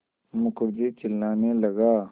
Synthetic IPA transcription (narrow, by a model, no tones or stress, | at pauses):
mʊkʊɾd͡ʒet͡ʃɪlnaːnelɐɡaː